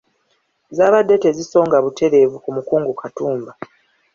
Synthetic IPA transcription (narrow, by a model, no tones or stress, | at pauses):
zaːβadːe̞te̞ziso̞ːŋɡaβutʰe̞ɾe̞ːvukumukuːŋɡukʰatuːmba